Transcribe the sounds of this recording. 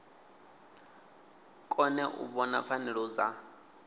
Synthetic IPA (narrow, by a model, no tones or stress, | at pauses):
kʼɔnɛʔṵβɔna̰p̪fanɛɺɔd͡za